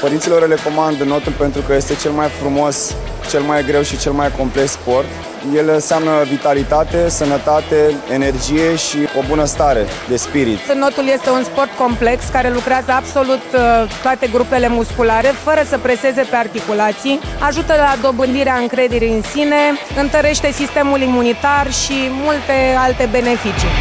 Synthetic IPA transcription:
pəɾint̪silo̞rle̞ko̞mand̪əno̞t̪ulpe̞nt̪ɾukəje̞st̪e̞t͡ʃe̞lmajfɾumo̞s | t͡ʃe̞lmajɡɾe̞wʃit͡ʃe̞lmajko̞mple̞kspo̞rt̪ | je̞lɨnseamnəvit̪alit̪at̪e̞sənət̪at̪e̞ene̞rd͡ʒije̞ʃio̞bunəst̪aɾe̞d̪e̞spiɾit̪no̞t̪ulje̞st̪e̞unspo̞rt̪̚ko̞mple̞kskaɾe̞lukɾeazəabso̞lut̪t̪ːoat̪e̞ɡɾupe̞le̞muskulaɾe̞fəɾəsəpɾe̞se̞ze̞pe̞art̪ikulat̪sijaʒut̪əlad̪o̞bɨnd̪iɾeaɨŋkɾe̞d̪e̞ɾiɨnsine̞ | ɨnt̪əɾe̞ʃt̪e̞sist̪e̞mulimunit̪arʃimult̪e̞alt̪e̞be̞ne̞fit͡ʃi

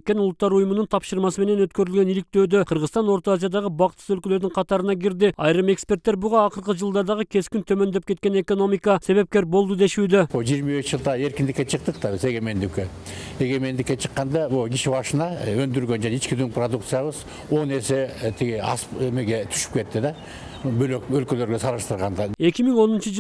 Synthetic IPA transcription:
t̪̚ʲkʲːe̞nʊlˠət̪ːɑɾujəmənəɴt̪ʰɑpʃəɾmɑsəme̞ne̞nwɵt̪kʲeɾɪlɡʲe̞nilɪk̚t̪e̞wd̪ɪqʰəɾʁəzt̪ɑnwo̞ɾt̪oazijɑd̪ɑʁəbɑqt̪ə̥sɵlkʲeleɾd̪ɪɴqʰɑt̪ɑɾənɑɡʲɪɾd̪ɪɑjɾəme̞kspe̞ɾt̪ːeɾbʊʁɑːqəɾqəʒəlˠd̪ɑɾd̪ɑʁəkʲʰe̞skʲɪnt̪ʰɵme̞nd̪ep̚kʲʰe̞t̪kʲene̞ko̞no̞mijkɑse̞βe̞p̚kʲe̞ɾbo̞lˠd̪əd̪eʃud̪ɪboʒijɾmɑbeʃʒəlˠt̪ɑe̞ɾkʲɪnd̪ɪkʲːe̞t͡ʃʰəq̚t̪əq̚t̪ɑbɪse̞ɡʲe̞me̞nd̪ɪkʲːe | e̞ɡʲe̞me̞nd̪ɪkʲːe̞t͡ʃʰəqːɑnd̪ɑboɡʲiʃɪbɑʃənɑɵnd̪ɪɾɡʲend͡ʒæneet͡ʃkʲɪd̪yŋpʰrod̪ukt̪sɨjɑβəz | o̞ne̞se̞t̪ʰiɡʲeɑ̰spemeɡʲe̞t̪ʰy̥ʃɪ̥p̚kʲʰe̞t̪ːɪd̪ɑ | bøløkølkʲelø̞ɾɡʲesʰɑɾˠəʃt̪əɾʁɑnd̪ɑe̞kʲɪmɪŋwo̞nənʃəʒ

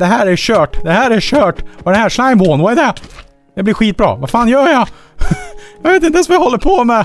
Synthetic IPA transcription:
d̪̥ɛɦæːɾæɾɕøːʈd̪ɛhæːɾæɕøːʈʔɑd̪ɛnɦæːʂlaɪmɔːnwaɛd̪ɛ | d̪ɛblɪɾɧiːt̪̚bɾɑ̰ːvafaɑːnjœːjɑ | jɑveːt̪ɪnt̪əɛnsvajahɔlːəɾpʰɔmɛ

